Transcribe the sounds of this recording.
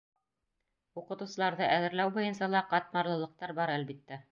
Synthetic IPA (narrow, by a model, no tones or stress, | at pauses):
uqɤ̆t̪ŭwsɤ̆lˠɑɾðɤʔæðɘ̆ɾlæwbujɤ̆nsɑlˠɑqɑt̪̚mɑɾlˠɤ̆lˠɤ̆q̚t̪ɑɾbɑɾælbit̪ːæ